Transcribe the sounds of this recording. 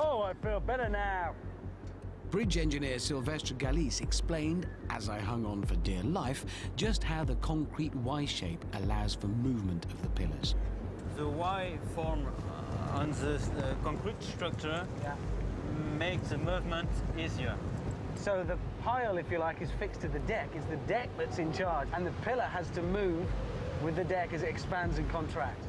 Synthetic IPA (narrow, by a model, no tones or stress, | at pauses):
oʊaɪfilˠbɛɾə˞naʊ | b̥ɹɪd͡ʒɛ̃nd͡ʒɨnɪɹsɪlˠvɛstɹ̥ə˞ɡælisɨksplẽɪ̃ndʔəzaɪɦʌ̃ŋə̃nfə˞dɪɹlaɪfd̥ʒ̥ʌst̚haʊðəkʰɑ̃ŋkʰɹ̥it̚waɪʃeɪpʔəlaʊz̥fə˞mʉvmɨ̃ntʰʌvðəpʰɪlˠə̰˞z̥ | ðəwaɪfɔɹm | ə̰̃nðəkʰɑ̃ŋkʰɹitstɹ̥ʌk̚t͡ʃə˞jæ | meɪksəmuvmə̃ntiziə | soʊðə | pʰaɪlˠɨfjɨlaɪkɨz̥fɪkstʰɨðɨdɛkɨzðɨdɛk̚ðɨtsɨ̃nt͡ʃʰɑɹd͡ʒə̃nðɨpʰɪlˠə˞əz̥tʰɨmʉv | wɪðɨdɛkɨzɨtɨkspæ̃ndzɨ̃nkʰɑ̃ntʰɹ̥æk̚t